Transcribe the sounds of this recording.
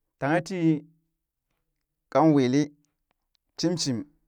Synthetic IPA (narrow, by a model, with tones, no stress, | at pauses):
ta˨ŋa˦ti˦ | ka˦nwe˨li˦ | ti˦mt͡ʃi˨m